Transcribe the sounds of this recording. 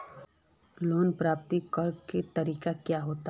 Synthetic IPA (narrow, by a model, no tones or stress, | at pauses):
loːnpɾaːpt̪ikɐɾket̪ɐɾiːkakjaɦoːt̪a